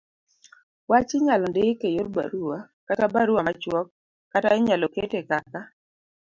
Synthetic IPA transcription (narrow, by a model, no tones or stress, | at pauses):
wat͡ʃɪɲalɔndeɪkejoɾba̰ɾuwa | katabaɾuwamat͡ʃwɔk̚ː | ataɪɲalɔketekaka